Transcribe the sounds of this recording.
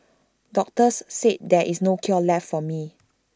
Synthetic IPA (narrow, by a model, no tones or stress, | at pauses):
dɔk̚təsːet̚dɛʔisnokʰiɔlɛfːɔmi